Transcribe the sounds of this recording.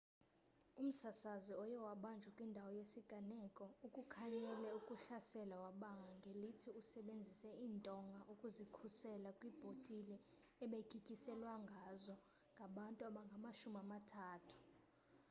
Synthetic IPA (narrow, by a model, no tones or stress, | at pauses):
um̩sasaziɔjɛwaɓand͡ʒʱwakʼwindʱawɔjesiɡ̥ʱʼanɛkʼɔukʼukʰaɲɛlɛukʼuɬasɛlawaɓaŋɡʱaŋɡʱelitʰiusɛɓend͡zʱisɛiːntʼɔŋɡʱaʔukʼuzikʰusɛlakʼwib̥ʱotʼilɛː | ɓekʰʼikʼisɛlwaŋɡʱazɔ | ŋɡʱaɓantʼuaɓaŋɡʱamaʃumiamatʰaːtʰu̥